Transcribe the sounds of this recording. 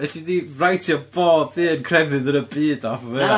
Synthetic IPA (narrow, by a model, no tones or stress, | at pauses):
ɛɬidirajtʰjɔboːdðiːənkʰr̥ɛvɨðənəbiːdafɔvɛ